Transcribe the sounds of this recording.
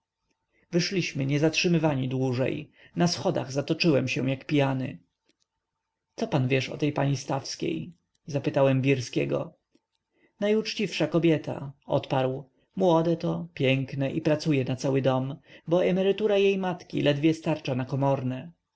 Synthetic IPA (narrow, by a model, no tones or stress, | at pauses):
vɘʂlʲiɕmɘɲɛzatʂɘmɘvaɲid̪wuʐɛ̰j | nasxɔd̪a̰ɣzat̪ɔt͡ʂɘwɛmɕɛ̰w̃jakpʲijanɘ̰ | t̪sɔpanvʲjɛʂɔ̰t̪ɛjpaɲist̪afskʲḛj | zapɘt̪awɛmvʲiɾskʲɛɡɔ̰ | najut͡ʂt͡ɕifʂakɔbʲjɛt̪ʰa̰ɔ̰t̪paɾw | mwɔd̪ɛt̪ɔpʲjɛŋknɛʔipɾat̪sujɛnat̪sawɘd̪ɔmbɔɛmɛɾɘt̪uɾajejmat̪kʲḭlʔɛd̪vʲjɛst̪aɾt͡ʂanakɔmɔɾnɛ